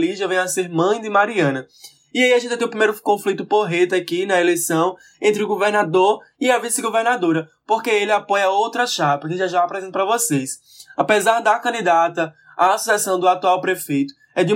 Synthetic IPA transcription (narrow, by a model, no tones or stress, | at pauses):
liʒɐvẽj̃aseɾmɐ̃j̃d̪ɪmaɾiɐ̃nɐ | iaiaʒẽnt̪ɪt̪ẽʊpɾimejɾʊkõflit̪ʊpoɦet̪akinɐelejsɐ̃w̃ | ẽnt̪ɾɪʊɡoveɾnad̪oɾ | iɐvisɪɡoveɾnad̪oɾɐ | pohkeelɪapõjɐowt̪ɾɐʃapɐkɪʒaʒaapɾɛzẽt̪ɐpɾɐvoses | apezaɾd̪ɐkɐ̃nd̪id̪at̪ɐ | aːsosɛsɐ̃w̃d̪ʊat̪uawpɾefejt̪ʊ̥ | ɛd̪ɪ